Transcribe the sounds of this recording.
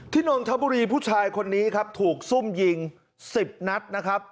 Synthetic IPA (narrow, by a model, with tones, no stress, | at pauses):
t̪ʰiː˥˩nɔː˧ŋt̪ʰa˦˥buː˧ɾiː˧pʰuː˥˩t͡ɕʰaː˧jkʰo˧nːiː˦˥kʰa˦˥p̚t̪ʰuː˨˩k̚su˥˩mji˧ŋ | si˨˩p̚na˦˥t̪̚na˦˥kʰɾa˦˥p̚